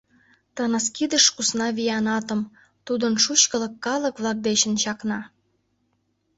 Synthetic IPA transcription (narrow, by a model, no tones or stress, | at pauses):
t̪ɤnəskid̪əʃkusnɑβijɑnɑt̪ə̆m | t̪ud̪ənʃut͡ɕkə̆lə̆kːɑlə̆kβlɑk̚d̪et͡ɕə̆nt͡ɕɑknɑ